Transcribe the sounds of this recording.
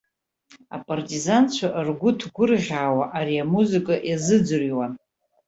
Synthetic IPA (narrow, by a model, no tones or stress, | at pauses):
a̰pʼartʼizant͡ɕʷʰaʔrɡʷʊtʰɡʷʊrʁʲaːwaʔaɾiamuzɨkʼaʔjazɨd͡ʒɨrjwan